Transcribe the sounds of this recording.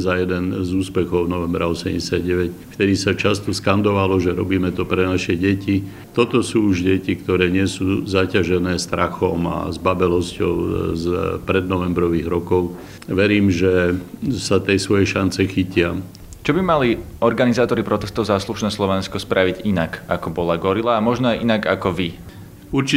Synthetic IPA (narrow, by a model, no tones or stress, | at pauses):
zajɛd̪ɛnzuːspɛxɔʊnɔʋɛmbɾaɔsɛmɟɛsɪad̪ɟɛʋɛcft̪ɛd̪isat͡ʃast̪ɔskand̪ɔʋalɔʒɛɾɔ̰biːmɛt̪ɔpɾɛnaʃɛɟɛci | t̪ɔt̪ɔsuːuʒɟɛcikt̪ɔɾɛːɲɪɛsuːzacaʒɛnɛːst̪ɾaxɔma̰zbabɛlɔscɔ̰ʊzpɾɛd̪̚nɔʋɛmbɾɔʋiːɣɾɔkɔʊ | ʋɛɾiːmʒɛsat̪ɛjsʋɔjɛʃant͡sɛxicɪa | t͡ʃɔbimaliɔɾɡanizaːt̪ɔɾipɾɔt̪ɛst̪ɔʊzasluʃnɛslɔʋɛnskɔspɾʔaʋiɟinaka̰kɔbɔlaɡɔɾilaːmɔʒnɔajʔinaɡa̰kɔʋi | uɾt͡ʃi